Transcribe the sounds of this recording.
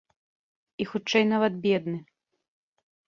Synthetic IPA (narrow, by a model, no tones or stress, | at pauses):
ixut͡ʂɛjnavɐt̪bʲɛd̪nɨ